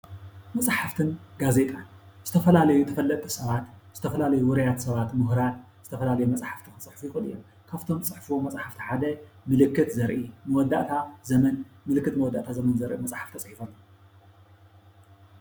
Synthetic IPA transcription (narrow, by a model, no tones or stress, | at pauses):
mɐt͡sʼħaft̪ʰɨnɡaze̞t̪ʼan | z̥ɨt̪ʰɐfɐlalɐjut̪ʰɐfɐlːɐt̪ʼɨsɐβat̪z̥ɨt̪ʰɐfɐlalɐjuwɨɾɐjat̪sɐβat̪mɨɦɾat̪ | zɨt̪ʰɐfɐlalɐjumɐt͡sʼħaft̪ʰixɨnt͡sʼɨħfujɪxʼɨlijom | kʰaβt̪ʰo̞mt͡sʼɨħfuomɐt͡sʼħaft̪ʰi̥ħad̪ɐ | mɨlɨkːɨt̪zɐɾʔimɐwɔd̪ːa̰ʔt̪ʰazɐmɐnmɨlɨkːɨt̪mɐwɔd̪ːa̰ʔt̪ʰazɐmɐnzɐɾʔḭmɐt͡sʼħḁft̪ʰɐt͡sʼħifolː